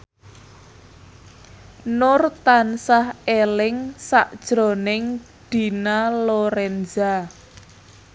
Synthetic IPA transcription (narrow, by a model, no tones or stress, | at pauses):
nʊrt̪ansahelɪŋsa̰ʔd̥ʒ̥ɾo̤nɪŋ | d̪̥i̤naloɾɛnd͡ʒa